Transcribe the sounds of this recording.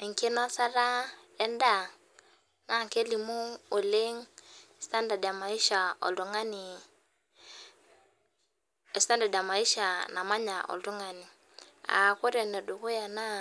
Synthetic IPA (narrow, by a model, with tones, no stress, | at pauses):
i˨ŋki˦na˦sa˦ɾa˦e˦nda˦˨ | ŋa˦˨ŋke˦li˨mu˦o˨le˦ŋ˨sta˦nda˨da˨ma˨i˦ʃa˨o̰˨lu˨ŋa˦ni˨ | e˨sta˦nda˨da˨ma˨i˦ʃa˨na˨ma˦ɲa˨ʔo̰˨ldu˦ŋa˨ni˨ | a̰˨ko˦ɾe˨ne˨du˨ku˦ja˨na˦